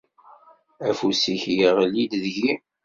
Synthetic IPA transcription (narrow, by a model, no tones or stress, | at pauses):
æfusiçjiʁlid̪ðʝi